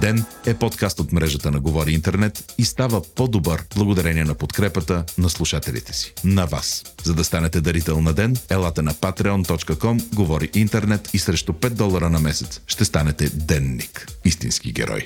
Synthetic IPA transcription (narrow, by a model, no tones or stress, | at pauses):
d̪ɛnɛpɔt̪kast̪ot̪mɾɛʒət̪ənɐɡovɔɾiint̪ɛɾnɛt̪ist̪avəpod̪obəɾblˠɐɡod̪ɐɾɛniɛnɐpot̪kɾɛpət̪ənɐslˠuʃat̪ɛlʲḭt̪ɛ̥si̥nɐva̰szɐd̪ɐst̪anɛt̪ɛd̪ɐɾit̪ɛlˠnɐd̪ɛnɛlˠat̪ənɐpat̪ɾɛɔnt̪ɔt͡ʃkəkɔmɡovɔɾiʔint̪ɛɾnɛt̪isɾɛʃt̪opɛt̪̚d̪ɔlˠəɾənɐmɛsɛt̪sʃt̪ɛst̪anɛt̪ɛd̪ɛnːikist̪ḭnsk̟iɡʲɛ̰ɾʔɔ̰j